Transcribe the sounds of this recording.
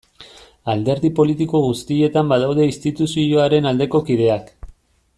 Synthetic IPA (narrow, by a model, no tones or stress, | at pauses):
ald̪e̞ɾðipo̞lit̪iko̞ɣust̪ie̞t̪ambaðawð̞e̞ist̪it̪usioaɾe̞nald̪e̞ko̞kið̞e̞ak